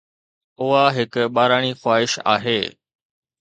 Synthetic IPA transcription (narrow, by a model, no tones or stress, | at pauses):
ʊɦaɦɪkɓaːɾaːɽ̃ixwaːɦɪʃa̰ːɦeː